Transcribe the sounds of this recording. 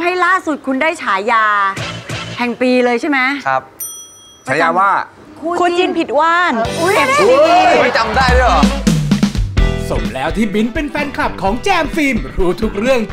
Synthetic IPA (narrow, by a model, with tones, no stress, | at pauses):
ha˥˩jlaː˥˩su˨˩t̪̚kʰu˧ndaː˥˩jt͡ɕʰaː˩˦jaː˧ | hɛ˨˩ŋpiː˧lɤː˧jt͡ɕʰa˥˩jmɛ˦˥a˦˥p̚ | t͡ɕʰaː˨˦jaː˧waː˥˩ | kʰu˧nt͡ɕi˧npʰi˨˩t̪̚waː˥˩n˧˥bɛː˨˩p̚ni˧i˦˥˧t͡ɕa˧mdaː˥˩jdɯ˥˩aː˨˩ | so˨˩˦mlɛː˦˥wt̪ʰiː˥˩bi˦˥npe˧nfɛː˧nkʰla˨˩p̚kʰɔː˩˦ŋt͡ɕɛː˧mfiː˧mɾuː˦˥t̪ʰu˦˥k̚ɾɯ˥˩əŋ